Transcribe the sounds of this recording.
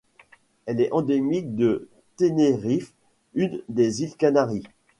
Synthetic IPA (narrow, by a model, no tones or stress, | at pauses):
ɛlɛɑ̃d̪emik̚d̪ə | t̪eneʁif | ynd̪ezilkanaʁi